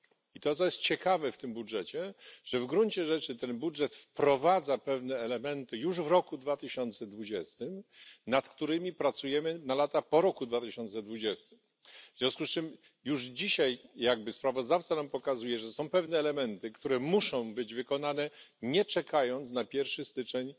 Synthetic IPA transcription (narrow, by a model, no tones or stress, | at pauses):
it̪ɔt̪sɔjɛst̪̚t͡ɕɛkavɛft̪ɘmbudʐɛt͡ɕɛʐ̥ɛvɡɾunt͡ɕɛʐɛt͡ʂɘt̪ɛnbudʐɛt̪fpɾɔvad̪zapɛvnɛːlɛmɛnt̪ɘjuʐvɾɔkud̪vat̪ɘɕɔnt̪sɛd̪vud͡ʑɛst̪ɘmnat̪kt̪uɾɘmʲipɾat̪sujɛmɘnalat̪apɔɾɔkud̪vat̪ɘɕɔnt̪sɛd̪vud͡ʑɛst̪ɘ̥m | vzʲjɔ̃w̃skust͡ʂɘm | juʐd͡ʑiɕajjaɡ̚bɘspɾavɔzd̪aft̪sanampɔkazujɛʐɛsɔ̃w̃pɛvnɛːlɛmɛnt̪ɘkt̪uɾɛmuʂɔ̃w̃bɘd͡ʑvɘkɔnanɛɲɛt͡ʂɛkajɔnt̪snapʲjɛɾfʂɘst̪ɘt͡ʂɛɲ